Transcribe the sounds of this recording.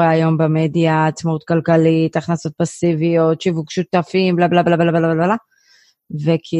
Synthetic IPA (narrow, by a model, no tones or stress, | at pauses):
eajo̞mbemed̪jaːt͡smaut̪kalkalit̪aχnaso̞t̪̚pasivijo̞t̪ʃivuɡʃut̪afimblablablablablablabla | vekʰi